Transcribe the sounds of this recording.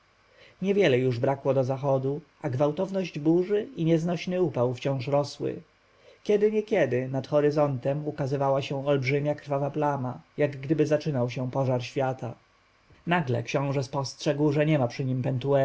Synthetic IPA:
ɲɛvʲjɛlɛjuʐbɾakwɔd̪ɔzaxɔd̪uʔaɡvawt̪ɔvnɔʑd͡ʑbuʐɘiɲɛznɔɕnɘupawft͡ɕɔ̃w̃ʂɾɔswɘ̰ | kʲɛd̪ɘɲɛkʲjɛd̪ɘnat̪xɔɾɘzɔnt̪ɛmukazɘvawaɕɛ̃ɔlbʐɘmʲakɾfavaplamajaɡːd̪ɘbɘzat͡ʂɘnawɕɛpɔʐaɾɕfʲjat̪a̰ | naɡlɛ̰kɕɔ̃w̃ʐɛspɔstʂɛɡwʐɛɲɛmapʂɘɲimpɛnt̪uɛ

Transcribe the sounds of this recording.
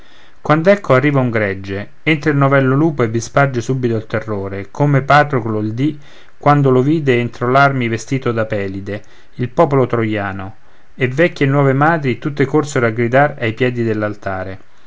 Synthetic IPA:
kwand̪ɛkːoarːiːvauŋɡɾɛd͡ʒːe | ent̪ɾeilnovɛlːoluːpoevːispard͡ʒesubit̪oilt̪erːoːɾekʰomepat̪ɾoklold̪i | kwand̪oloviːd̪eent̪ɾolarmivest̪iːt̪od̪apɛːlid̪e | ilpɔːpolot̪ɾojaːno | evɛkʲːjenwɔːvemaːd̪ɾit̪ut̪ːekorseɾoaɡɾid̪aɾajpjɛːd̪id̪elːalt̪aːɾe

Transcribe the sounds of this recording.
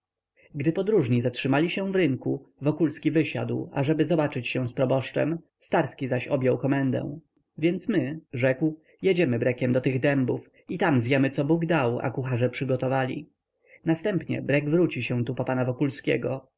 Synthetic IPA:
ɡd̪ɘpɔd̪ɾuʐɲizatʂɘmalʲiɕɛ̃vɾɘŋkuvɔkulskʲivɘɕa̰d̪wa̰ʐɛbɘzɔbat͡ʂɘt͡ɕɕɛw̃spɾɔbɔʂt͡ʂɛ̰m | st̪aɾskʲizaɕɔbʲjɔwkɔmɛnd̪ɛ̰̃w̃ | vʲjɛnt̪smɘʐɛkw | jed͡ʑɛmɘbɾɛkʲɛmd̪ɔt̪ɘɣd̪ɛmbuf | it̪amzjɛmɘt̪sɔbuɡd̪awa̰kuxaʐɛpʂɘɡɔt̪ɔvalʲḭ | nast̪ɛmpɲɛ̰bɾɛɡvɾut͡ɕiɕɛ̃t̪upɔpanavɔkulskʲɛ̰ɡɔ

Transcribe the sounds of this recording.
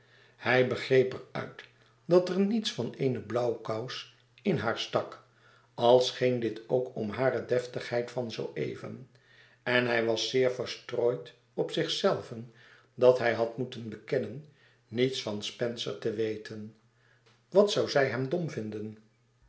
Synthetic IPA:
hɛjbəχrejpɛɹœ̰ɥt | dɑtəɹnitsfɑnejnəblɑwkaws | ɪnɦaːɹstɑk | ɑlˠsχɪŋdɪtʰowkɔmɦaːrədɛftəχhɛjtfɑnzowʔḛjvə̰n | ɛnɦɛjʋɑsːɪːɹfəɹstroːjt | ɔpsɪχsɛlˠvən | dɑtɦɛjɦɑtmutənbəkɛnənː | itsfɑnspɛnsə̰ɹtəʋejtʰən | ʋɑtsɑwzɛjɦɛmdɔmvɪndən

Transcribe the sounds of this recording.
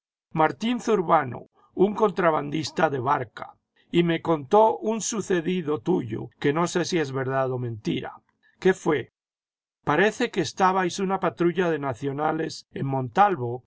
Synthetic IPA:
maɾt̪inθuɾβano̰ | uŋko̞nt̪ɾaβand̪ist̪aðe̞βaɾka̰ | ime̞ko̞nt̪o̞unsuθe̞ðiðo̞t̪uʝo̞̰ke̞no̞se̞sie̞zβe̞ɾðaðo̞mẽnt̪iɾa̰ | ke̞fwe̞ | paɾe̞θe̞keːst̪aβajsunapat̪ɾuʝaðe̞naθjo̞nale̞se̞ŋmõ̞nt̪alβo̞

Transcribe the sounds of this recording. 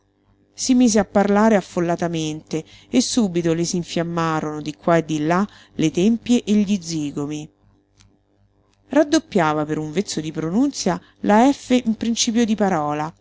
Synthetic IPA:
simiːzeapːarlaːɾeafːolːat̪ament̪e | esːuːbit̪olesiɱfjamːaːɾonod̪ikwaed̪ːilːa | let̪empjeʔeʎːid̪ziːɡomi | rad̪ːopːjaːvapeɾuɱvet̪sːod̪ipɾonunt̪sja | laɛfːeʔimpɾint͡ʃiːpjod̪ipaɾɔːla

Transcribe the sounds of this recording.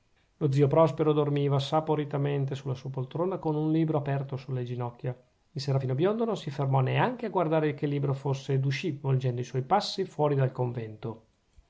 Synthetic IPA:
lod̪ziopɾɔspeɾod̪ormiːvasapoɾit̪ament̪esulːasuːapolt̪ɾoːnakonunliːbɾoapɛrt̪osulːed͡ʒinɔkːja | ilseːɾafiːnobjond̪onosifermɔneaŋk̟eaɡward̪aːɾekelːiːbɾofosːed̪uʃivold͡ʒɛnd̪oiswɔjpasːifwɔːɾid̪alkoɱvɛnt̪o

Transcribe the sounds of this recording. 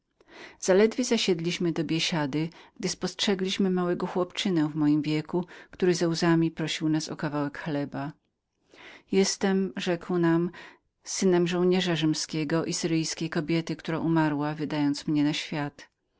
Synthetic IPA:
z̥alɛd̪vʲjɛzaɕɛd̪lʲiɕmɘd̪ɔbʲjɛɕad̪ɘɡ̥d̪ɘspɔstʂɛɡlʲiɕmɘmawɛɡɔxwɔpt͡ʂɘnɛvmɔjimvʲjɛkukt̪uɾɘzɛwzamʲipɾɔɕiwnasɔ̰kavawɛkxlɛba | jɛst̪ɛmʐɛkwnam | sɘnɛmʐɔ̃w̃ɲɛʐaʐɘmskʲɛɡɔʔisɘɾɘjskʲejkɔbʲjɛt̪ɘkt̪uɾaʔumaɾwavɘd̪ajɔnt̪smɲɛnaɕfʲjat̪

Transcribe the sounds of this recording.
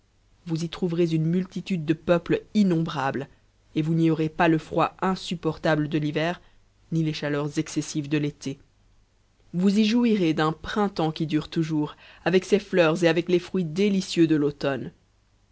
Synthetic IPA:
vuzit̪χuvʁezynmylt̪it̪yd̪̚ːəpœpləinɔ̃bʁabl | evuniɔʁepaləfχwaɛ̃sypɔʁt̪abləd̪əlivɛːʁ | nileʃalœʁzɛksesivd̪əlet̪e | vuziʒuiʁed̪ɛ̃pχɛ̃t̪ɑ̃kʲid̪yːʁt̪uʒuːʁavɛkseflœʁzeavɛklefχɥid̪elisjød̪əlot̪ɔn

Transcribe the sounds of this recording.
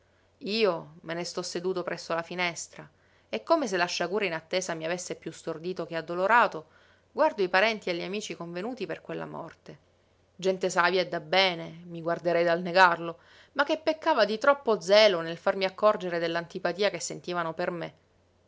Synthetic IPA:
iːomenest̪ɔsːed̪uːt̪opɾʔɛsːolafinɛst̪ɾa | ekːomes̬elːaʃːaɡuːɾainat̪ːeːzamiavesːepjust̪ord̪iːt̪ok̟ead̪ːoloɾaːt̪o | ɡward̪oipaɾɛnt̪ieʎːamiːt͡ʃikoɱvenuːt̪iperkwelːa̰mɔ̰rt̪e | d͡ʒɛnt̪esaːvjaed̪abːɛːnemiɡward̪eɾɛjd̪alneɡarlo | makːepːekːaːvad̪it̪ɾɔpːod̪zɛːlonelfarmiakːɔrd͡ʒeɾed̪elːant̪ipat̪iːakesːent̪iːvanoperme

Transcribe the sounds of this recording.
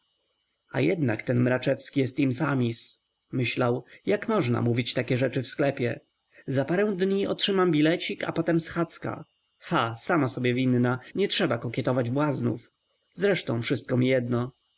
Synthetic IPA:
a̰jɛd̪na̰kt̪ɛnmɾat͡ʂɛfskʲijɛst̪infamʲis | mɘɕlawjakmɔʐna̰muvʲit͡ɕt̪akʲɛʐɛt͡ʂɘfsklɛpʲjɛ | zapaɾɛw̃d̪ɲiɔtʂɘmambʲilɛt͡ɕika̰pɔt̪ɛmsxat̪ska̰ | xasamasɔbʲjɛvʲinːaɲɛtʂɛbakɔkʲjɛt̪ɔvad͡ʑbwaznṵf | zɾɛʂt̪ɔ̃w̃fʂɘst̪̚kɔmʲijɛd̪nɔ

